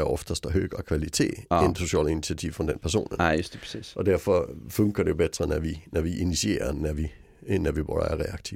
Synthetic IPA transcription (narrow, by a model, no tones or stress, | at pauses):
ɒfd̥ɐsd̥ɐɦøːɡ̥ʁɐkʰʋælit͡sʰe̝̰ːenso̝ɕɛ̰linit͡sʰiæt͡sʰiʊfɒnd̥enpʰæɐso̝̰ːnnsd̥ʰsḭːsʔɒ̽d̥æɐ̰fɒføŋɡ̥ɐd̥eb̥ed̥ʁɐnæʋinɒʋiʔinisie̝̰ːɐnæʋi | næʋib̥ʁo̰dɐæɐʁɛɑ̈ɡ̥t͡sʰiʊ